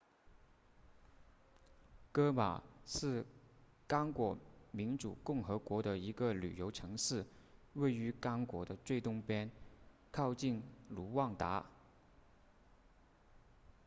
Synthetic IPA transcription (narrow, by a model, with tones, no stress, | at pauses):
kɤ˥ma̰˨˩ʂɻ̩˥˩ | kɑ˥ŋkwɔ˧˥mi˧˥nʈ͡ʂu˨˩kʊ˥˩ŋxɤ˧˥kwɔ˧˥ɾə˧i˧˥ɡə˧ly̰˨˩jo˧˥ʊʈ͡ʂʰɤ˧˥ŋʂɻ̩˥˩we˥˩ɪy˧˥kɑ˥ŋkwɔ˧˥d̪ə˧t͡swe˥˧ɪt̪ʊ˥˧ŋpjɛ˥n | kʰɑ˥˧ʊt͡ɕi˥˩nlu˧˥wɑ˥˩ŋt̪a̰˧˥